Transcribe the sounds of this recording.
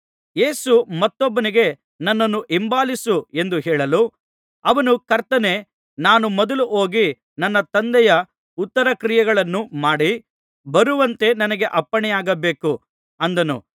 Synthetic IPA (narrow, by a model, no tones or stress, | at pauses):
je̞ːsumɐt̪ːɔbːɐniɡe̞ | nɐnːɐnːuʔimbaːlisue̞nd̪uɦɛːɭɐlu | ɐʋɐnukɐɾt̪ɐne̞ː | naːnumɔd̪ɐluʔo̞ːɡi | nɐnːɐt̪ɐnd̪ɛjɐ | ut̪ːɐɾɐkɾijɐɡɐɭɐnːumaːɽi | bɐɾuʋɐnt̪e̞nɐnɐɡe̞ʔɐpːɐɳɛjaːɡɐbe̞ːku | ɐnd̪ɐnṵ